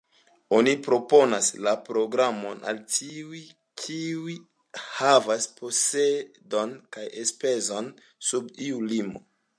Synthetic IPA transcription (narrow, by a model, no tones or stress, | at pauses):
o̞nipɾo̞po̞naslapɾo̞ɡɾamo̞na̰ltiuj | kʰiui | havaspo̞se | do̞nkajespe̞zo̞n | subiulimo̰